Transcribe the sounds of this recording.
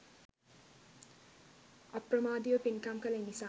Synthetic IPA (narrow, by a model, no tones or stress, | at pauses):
ʌprʌmaːd̪ijopinkamkalajnisa